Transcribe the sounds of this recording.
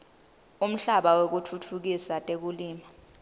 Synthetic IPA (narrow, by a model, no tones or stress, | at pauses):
um̩ɬaɓawok̬utʰutʰuk̬isatʼek̬uliːma